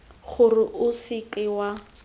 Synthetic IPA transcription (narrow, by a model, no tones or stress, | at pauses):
χʊrɪʔʊsɪkɪwa